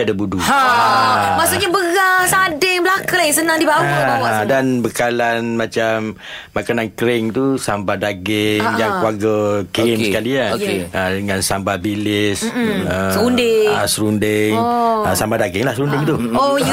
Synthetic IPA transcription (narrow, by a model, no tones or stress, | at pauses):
adabudu | masuʔɲabəɣasadɪŋblakalaisənaŋdibawdanbəkalanmat͡ʃamː | akanankɾɪŋt̪usambadaɡɪŋjakuaɡəkeskaliaoeədəŋansambabilɪsəundeəsəɾundɪŋəsambadaɡɪŋlahsɾundɪŋt̪uo